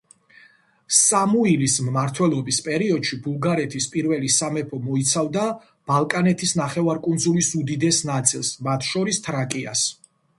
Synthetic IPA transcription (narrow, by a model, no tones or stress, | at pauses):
samuilismmaɾt̪ʰwɛlˠɔbispʼɛɾiɔd̪̥ʃibulˠɡaɾɛt̪ʰispʼiɾvɛlisamɛpʰɔmɔit̪sʰavd̪a | b̥alˠkʼanɛt̪ʰisnaχɛvaɾkʼund̪zulisud̪id̪ɛsnat̪sʼilˠsmat̪ʰʃɔɾist̪ʰɾakʼia̰s